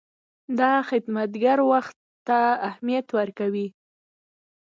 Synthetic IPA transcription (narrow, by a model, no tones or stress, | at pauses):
d̪ɑxɪd̪mat̪ɡaɾwaxt̪ːaːhmijat̪wəɾkawi